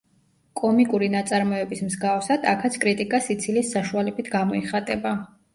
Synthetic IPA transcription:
kʼɔmikʼuɾinat̪sʼaɾmɔɛbismzɡafsad̪akʰat̪sʰkʼɾit̪ʼikʼasit̪sʰilisːaʃualɛbit̪ʰɡamɔiχat̪ʼɛba

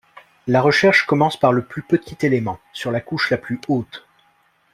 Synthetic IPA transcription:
laʁəʃɛʁʃkɔmɑ̃spaʁləplypət̪ʰit̪elemɑ̃syʁlakuʃlaplyot̪

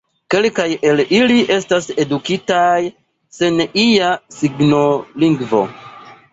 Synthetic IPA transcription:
ke̞lkaje̞liliʔe̞stase̞dukitaj | se̞nijasiɡnoliŋɡvo̞̰

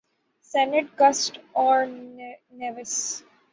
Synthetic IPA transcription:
sɛnɪʈ̚ɡʌsʈɔːɾneʋɪs

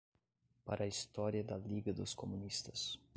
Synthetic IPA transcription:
pa̰ɾʔɐist̪ɔɾjɐd̪ɐliɡɐd̪ʊskomunist̪ɐs

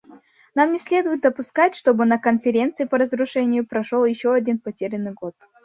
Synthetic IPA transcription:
namnʲɪsʲlʲe̞d̪ʊjɪt̪̚d̪əpʊskatʲʂt̪o̞bɨnəkənfʲɪɾʲe̞nt̪sɨɪpəɾəzɾʊʂɛnʲɪjʊpɾɐʂolˠjɪɕːoɐdʲinpɐtʲeɾʲɪnːɨɡo̞t̪̚

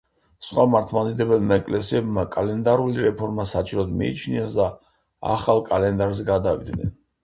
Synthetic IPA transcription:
sχwamaɾt̪ʰmad̪id̪ɛbɛlmaɛkʼlɛsiɛbmakʼalɛnd̪aɾuliɾɛpʰɔɾmasat͡ʃʼiɾɔd̪mḭḭt͡ʃʰniasd̪a | a̰χalˠkʼalɛnd̪aɾzɛɡad̪avḭd̪nɛ̰n

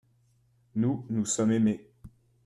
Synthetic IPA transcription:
nunusɔmeme

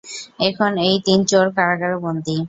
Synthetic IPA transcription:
ekʰonejt̪int͡ɕoɾkaɾakaɾobond̪i

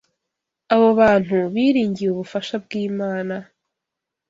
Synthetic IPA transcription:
aβoβaːn̥huβiːɾiːɲɟijuβufaʃabɡiːmaːna

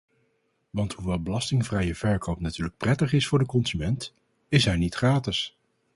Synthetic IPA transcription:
ʋɑntɦuʋɛlˠbəlɑstɪŋvrɛjəv̥ɛɹkowpnatyːɹlək̚prɛtəχɪsfʊːɹdəkɔnzymɛnt | ɪsɦɛɹnitχraːtɪs

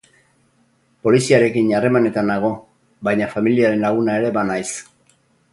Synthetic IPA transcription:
po̞lisiaɾe̞kinare̞mane̞t̪anaɣ̞o̞ | bajɲafamiliaɾe̞nlaɣ̞unaeɾe̞βanajs

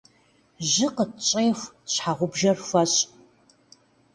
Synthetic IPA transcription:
ʑɪqətt͡ʃʼeːf | ɕħaʁʷʊbʒɐrfɐɕʼ

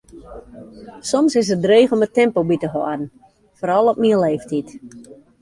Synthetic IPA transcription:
sɔmsɪs̬ət̚drɾeːxɔmətɛmpobitəɦɔadn̩ | foːɾɔlˠɔp̚miəleːftʰit

